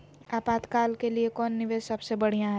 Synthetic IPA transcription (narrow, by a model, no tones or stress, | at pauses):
aːpaːt̪kaːlkeliekɔːnːɪʋeːzsɐbsebɐɽ̤ijãɦɛ